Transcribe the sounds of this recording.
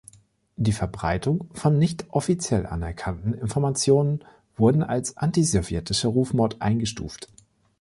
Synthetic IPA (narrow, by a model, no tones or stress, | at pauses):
d̥iːfɛɐbʁa̰ɪtʊŋfɔnːɪçtʔɔfit͡sjɛlʔa̰nɛ̰ɐkʰantn̩ɪnfɔɐmat͡sjoːnən | v̥ʊɐdn̩a̰lsʔa̰ntizɔvjɛtʰɪʃəʁuːfmɔɐtʔa̰ɪnɡəʃtṵːft